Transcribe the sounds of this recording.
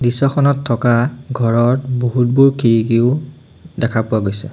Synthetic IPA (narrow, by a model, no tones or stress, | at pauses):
disɔxʰɔnɔtʰːɔkaɡʱɔɹɔtboɦut̚buɹkʰiɹikiʊ | dɛkʰapʊaɡojsɛ̰